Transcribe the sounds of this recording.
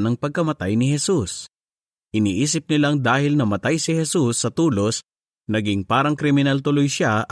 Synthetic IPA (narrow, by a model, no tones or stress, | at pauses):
nɐŋpɐɡ̚kɐmɐt̪ajnɪhɛsus | ʔɪniːʔiːsɪp̚nɪlaŋd̪aːhɪlnɐmɐt̪ajsɪhɛsusːɐt̪uːlos | nɐɡɪŋpaːɾɐŋkɾɪmɪnalt̪ʊlojʃa